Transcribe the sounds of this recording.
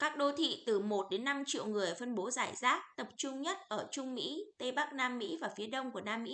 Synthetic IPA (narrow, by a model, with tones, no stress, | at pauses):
kaː˦˥k̚ɗo˧t̪ʰḭ˧˨t̪ɨ˨˩mo˨˩t̚ɗe˨˦nːa˧mt͡ɕḭ˧˨əwŋɨ˨˩əjfə˧nɓo˨˦zaː˧˩jzaː˦˥t̚t̪ə˨˩p̚t͡ɕʊ˧ŋ͡mɲə˦˥t̚ʔəː˧˩t͡ɕʊ˧ŋ͡mmḭ˧˥t̪ə˧jɓa˦˥k̚naː˧mːḭ˧˥vaː˨˩fi˨˦əɗə˧wŋ͡mku˧˩ənaː˧mːḭ˧˥